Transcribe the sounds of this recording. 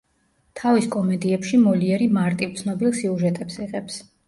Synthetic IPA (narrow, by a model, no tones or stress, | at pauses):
t̪ʰaviskʼɔmɛd̪iɛpʃimɔliɛɾimaɾt̪ʼivt̪sʰnɔbilˠsiuʒɛt̪ʼɛpsiʁɛps